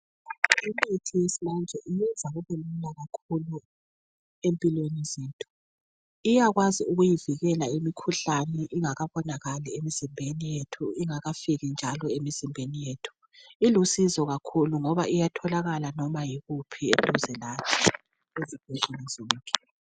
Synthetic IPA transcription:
imitʰijesiland͡ʒʱɛʔijɛnd͡zʱaɣuβɛllaɣakʰulu | empʼilwenizetʼu̥ | ijaɣwaziuɣujiviɣɛlaimikʰuɬanɛʔiŋaɣaβɔnaɣalɛemizimbʱenijetʰuiŋaɣafiɣind͡ʒʱalɔemizimbʱenijeːtʰu̥ | ilusizɔɣakʰuluŋɔβaʔijatʰɔlaɣalanɔmajiɣupʰietʼuzɛlat͡ʃʰɛ | ezib̥ʱɛtɛnɛzɔːŋkʼɛ

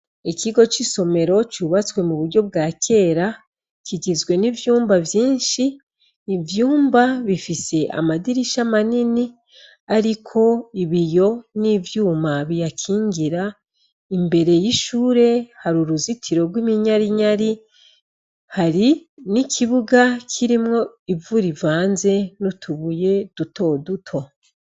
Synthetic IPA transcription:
ikiɡo̞t͡ʃiso̞me̞ɾo̞t͡ʃuːβat͡swe̞muβuɾɟo̞bɡaːkʰe̞ːɾa | kʰiɟizɡwe̞nivjuːmbavjiːnʃiː | vjuːmbaβifise̞ʔa̰madiɾiʃamanini | aɾikʰo̞iβijo̞nivjuːmaβijakʰiːɲɡiɾa | imbe̞ɾe̞jiʃuːɾe̞haɾuɾuzitʰiɾo̞ɡwimiɲaɾiɲaɾi | haɾinikʰiβuɡakʰiɾimŋo̞ivuɾivaːnze̞nutʰuβuje̞d̥utʰo̞dutʰo̞

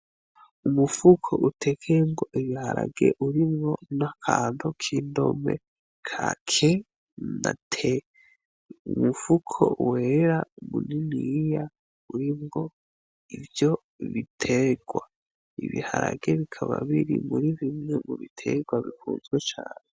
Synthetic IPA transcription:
umufukʰoʔutʰekʰemɡoʔiβihaɾaɡe̞ʔuɾimŋo̞nakʰaːndokʰiːndo̞mḛ | kʰakʰe | na̰tʰe | umufukʰowe̞ɾaumuninija | uɾimɡo̞ | ivjo̞ | βitʰeɡ̥wa | ḭβihaɾaɡe̞βikʰaβaβiɾimuɾiβimŋemuβitʰe̞ɡwaβifuːnzɡwet͡ʃaːne

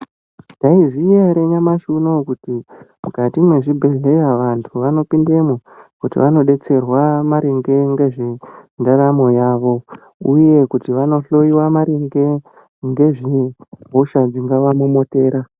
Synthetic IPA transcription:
ndaizijaɾeɲamaʃuno̞kutimukatimwe̞ʐibʱe̞ɮe̞jaʋantʰuʋano̞pinde̞mokutḭʋano̞ɗe̞t͡se̞rwamaɾeŋɡe̞ŋɡe̞ʐendaramo̞jaːʋo̞ | uje̞kutiʋano̞ɬo̞iwamaɾiŋɡe̞ | ŋɡe̞ʐiɦoʃad͡ziŋɡaʋamumo̞te̞ːɾa

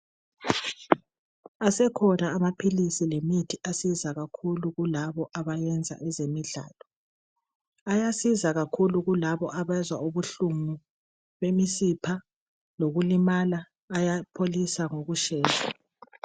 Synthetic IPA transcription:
asɛkʰɔnaːmapʰilisilemitʰiasizaɣakʰuluɣulaβɔʔaβajɛnd͡zʱa̰ʔɛzemiɮa̰ːlɔ | ajasizaɣakʰuluɣulaβɔʔaβɛzwa̰uβuɬumu | βemisipʰa | loɣulimalaː | japʰolisaŋoɣuʃɛːza

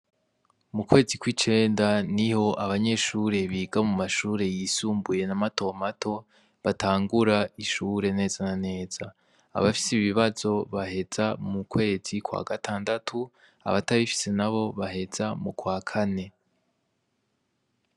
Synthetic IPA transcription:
mukwe̞ːzikwiːt͡ʃe̞ːndaniho̞ʔaβaɲe̞ʃuːɾe̞βiːɡamumaʃuːɾe̞jisuːmbuje̞namato̞matʰo̞ | βataːŋɡuɾaiʃuɾe̞ne̞ːzanane̞ːz̥a̰ː | βafi̥siβiβazo̞βaɦe̞z̥amukwe̞ːz̥ikwa̰ɡatʰaːndatʰu | a̰βataβifi̥se̞naβo̞βaɦe̞z̥amukwaːkʰane̞

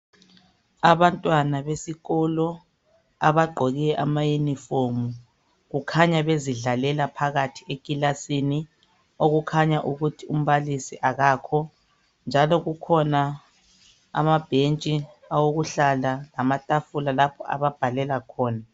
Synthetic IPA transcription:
aβantʼwanaβesiɣɔlɔ | aβaɡ͡ǃʱɔɣɛɛʔamajunifomu | ɣukʰaɲaβeziɮalɛlapʰaɣatʰiekʼilasini | oɣukʰaɲaʔuɣutʰium̩βalisiʔaɣaːkʰɔ | nd͡ʒʱalɔɣukʰɔnaː | mab̥ʱent͡ʃʼi | awoɣuɬalalamatʼafulalapʰɔʔa̰βab̥ʱalɛlakʰɔːna

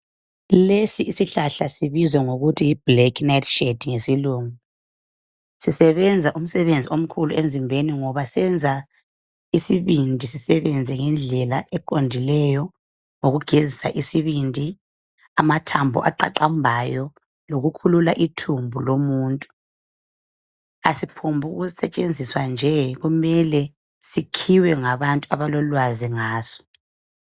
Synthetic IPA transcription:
lesiːsiɬaɬasiβizwɛŋoɣutʰiːb̥lɛkʰnajtʰʃed̥iŋesiluːŋu | sisɛβɛnd͡zʱaʔum̩sɛβend͡zʱiom̩kʰuluem̩zimbʱeniŋɔβasɛnd͡zʱa | isiβindʱisisɛβɛnd͡zʱɛŋɛnd͡ɮʱɛlaʔɛkʼondʱilɛjɔ | ŋoɣuɡ̥ʱezisaʔisiβindʱi | amatʰambʱɔ̰ʔa̰ǃa̰ǃambʱajɔ | loɣukʰululaʔitʰumbʱulomuːntʼu̥ | asipʰumbʱuɣuzisɛt͡ʃʼend͡zʱiswand͡ʒʱɛɣumɛlɛ | sikʰiwɛŋaβantʼuaβalɔlwaziŋaːsɔ̥

